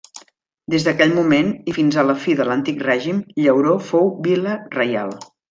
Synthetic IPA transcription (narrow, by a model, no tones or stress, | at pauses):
d̪ezðəkɛʎmumenifinzələfiðələnt̪ikrɛʒimʎəwɾofowbilərəja̰lˠ